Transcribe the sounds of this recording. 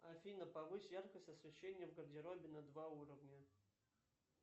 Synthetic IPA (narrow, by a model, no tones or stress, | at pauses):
ɐfʲinəpɐvɨsʲjarkəsʲtʲɐsvʲɪɕːenʲːɪjəvɡərdʲɪɾobʲɪnɐd̪vauɾəvnʲə